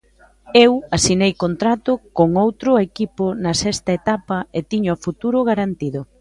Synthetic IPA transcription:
ewasinejkont̪ɾat̪ʊkoŋowt̪ɾʊekipʊnɐsɛst̪ɐet̪apɐet̪iɲʊafut̪uɾʊɣaɾant̪iðʊ

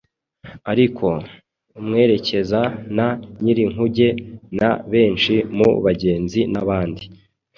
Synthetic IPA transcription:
aɾikʰo̞ | mŋe̞ːɾe̞ce̞zanaɲiɾiŋ̥huɟe̞naβe̞ːnt͡ʃimṵβaɟe̞ːnzinaβaːndi

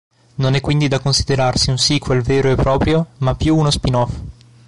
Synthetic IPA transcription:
nonɛkːwind̪id̪akːonsid̪eɾarsiunsiːkwelveːɾoepːɾɔːpɾjomapːjuːnospinɔf

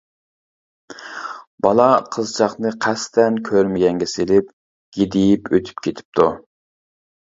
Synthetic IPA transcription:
bɑlˠɑqʰəzt͡ʃʰɑχnɨqʰæst̪ʰɛnkʲʰøɾmɪɡʲɛŋɡʲɛselɪp̚ | ɡ̥ʲid̪ɪjipʰøt̪ʰy̥pkʲʰet̪ʰɪ̥p̚t̪ʰu

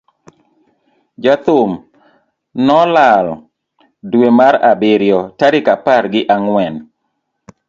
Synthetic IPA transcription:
d͡ʒat̪ʊm | nɔlal | dwemaɾabɪɾjɔtaɾɪkapaɾɡɪʔaŋwɛn

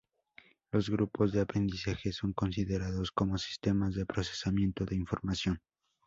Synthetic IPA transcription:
lo̞zɣɾupo̞zðe̞apɾe̞nd̪isaxe̞so̞ŋko̞nsiðe̞ɾaðo̞sko̞mo̞si̥st̪e̞mazðe̞pɾo̞se̥samjẽ̞nt̪o̞ðeiɱfo̞̰ɾmasjo̞n

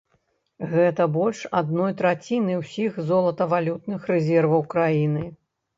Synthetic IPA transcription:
ɣɛt̪ɐbɔlʲʂa̰d̪nɔjt̪ɾat͡sʲinɨwsʲixzɔlˠɐt̪ɐvalʲut̪nɨxrɛzʲɛrvɐwkɾajinɨ

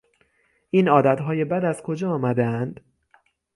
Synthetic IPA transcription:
ʔiːnɒːd̪æt̪ɦɒːje̞bæd̪æzkʰo̞d͡ʒɒːɒːmæd̪eænd̪

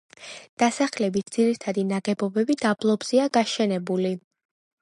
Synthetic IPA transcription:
d̪̥asaχlɛbit̪̚ʰd̪z̥iɾit̪ʰad̪inaɡɛbɔbɛbid̪ablˠɔbz̥iaɡaʃɛnɛbuli

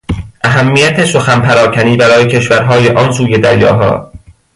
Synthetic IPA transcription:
ʔæɦæmːijæt̪ʰe̞so̞xænpʰæɾɒːcʰæniːbæɾɒːjecʰe̞ʃvæɾɦɒːjeʔɒːnsuːje̞d̪æɾjɒ̰ːɦɒ̰ː

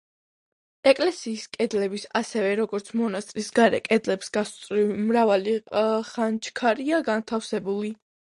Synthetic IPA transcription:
ɛkʼlɛsiːskʼɛd̪lɛbisasɛvɛɾɔɡɔɾt̪sʰmɔnast̪ʼɾisɡaɾɛ̰kʼɛd̪lɛpsɡast̪sʼɾimɾavaliχant͡ʃʰkʰaɾiaɡant̪ʰafsɛbuli

